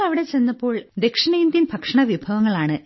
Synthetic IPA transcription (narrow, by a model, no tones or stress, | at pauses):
ɭɐʋiɽe̞t͡ɕe̞nːɐpːo̞ːɭd̪e̞kʂɐnejːnd̪inbʱɐkʂɐɳɐʋibʱɐʋɐŋːɐɭaːɳɨ